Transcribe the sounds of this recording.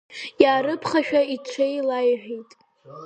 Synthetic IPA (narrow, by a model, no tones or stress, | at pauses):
jaːɾɨpʰχaʃᶣait͡ʃʷʰejlajʕᶣijtʼ